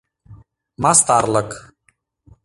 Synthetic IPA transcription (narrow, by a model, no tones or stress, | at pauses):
mast̪aːɾlək